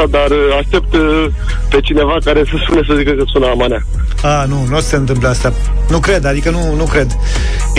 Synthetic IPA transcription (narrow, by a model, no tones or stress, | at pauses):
ad̪araʃt̪e̞p̚t̪ | pe̞t͡ʃine̞vakaɾesəspunes̬əzikəkəsunəamanea | anunosse̞ɨnt̪ɨmp̬ləast̪a | nukɾe̞d̪ad̪ikənunukɾe̞d̪